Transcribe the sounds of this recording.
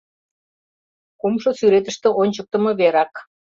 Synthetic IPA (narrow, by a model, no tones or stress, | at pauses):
komʃosyɾet̪ə̆ʃt̪ĕʔonʲt͡ɕək̚t̪ə̆mɤ̆βeɾɑk